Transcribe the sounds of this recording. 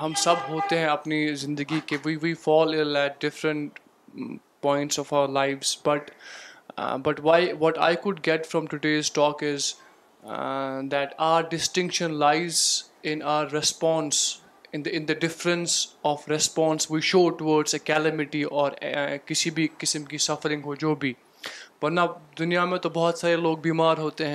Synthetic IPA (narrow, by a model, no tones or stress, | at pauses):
ɦɐ̃msɐbɦoːt̪eɦɛ̃ɐpnizɪ̃nd̪əɡikeʋiʋiːfɔːlɪlæʈ̚ɖɪfɾə̃ɳʈ | pɔ̃ːɪ̃ɳʈsɔfaʊəɾlaɪʋz̥bɐʈ | bɐʈʋaɪʋɔʈa̰ɪkʊɖ̚ɡɛʈfɾɔ̃mʈʊɖeːzʈɔːkɪz | d̪æʈa̰ʊəɾɖɪsʈɪ̃ŋkʃə̃nlaɪz | ɪ̃naəɾːɛspɔ̃ːns | ɪ̃nɪ̃nd̪əɖɪfɾə̃nsɔːfɾɛspɔ̃ːnsʋiːʃoːʈʊʋɔːɖsəkæləmɪʈiʔɔːɾkɪsibʱikɪsə̃mkisɐfəɾɪ̃ŋɡɦoːd͡ʒoːbʱiː | pɐʈnad̪ʊnijamẽt̪obɔɦɔt̪saːɾeloːɡ̚biːmaːɾɦoːt̪eɦɛ̃